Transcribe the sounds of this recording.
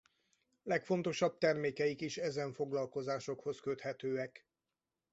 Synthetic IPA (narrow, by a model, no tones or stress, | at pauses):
lɛkfo̞nt̪o̞ʃɒb̚t̪ɛrmeːkɛjikiʃɛzɛɱfo̞ɡlɒlko̞zaːʃo̞kho̞skøt̪hɛt̪øːɛk